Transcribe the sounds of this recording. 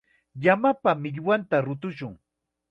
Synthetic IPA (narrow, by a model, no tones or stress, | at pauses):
jamapamɪʎwant̪aɾʊt̪ʊʃʊŋ